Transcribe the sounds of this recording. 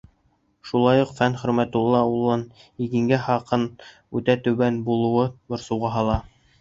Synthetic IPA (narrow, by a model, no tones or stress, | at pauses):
ʃulˠɑjuqfænχɵ̆ɾmæt̪ulˠːɑulˠːɑniɡɘ̆ŋɡæhɑqɤn | ʉt̪æt̪ɵ̆βænbulˠɤ̆wɤbŏɾsɤ̆wʁɑɦɑlˠɑ